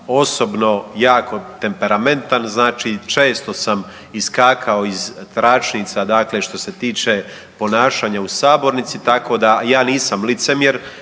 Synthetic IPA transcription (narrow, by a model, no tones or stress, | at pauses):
o̞so̞bno̞jaːkʰo̞t̪e̞mpe̞ɾame̞nt̪anznaːt͡ʃit͡ʃe̞ːst̪o̞sam | iskaːkʰao̞izt̪ɾaːt͡ʃnit̪sad̪aːkle̞ʃt̪o̞se̞t̪iːt͡ʃe̞ | po̞naːʃaːɲausaːbo̞ɾnit̪sit̪ako̞d̪ajaːniːsamlit̪se̞mjeɾ